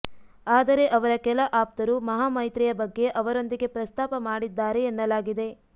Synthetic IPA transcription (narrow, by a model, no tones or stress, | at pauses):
aːd̪ɐɾe̞ʔɐʋɐɾɐkɛlɐʔaːp̚t̪ɐɾumɐɦaːmɐjt̪ɾɛjɐbɐɡːe̞ʔɐʋɐɾo̞nd̪iɡe̞pɾɐst̪aːpɐmaːɽid̪ːaːɾe̞ːnːɐlaːɡid̪e̞